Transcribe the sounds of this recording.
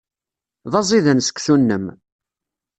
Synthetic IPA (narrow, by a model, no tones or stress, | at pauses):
ðˤɑzˤiðənsə̥kʷːθunːəm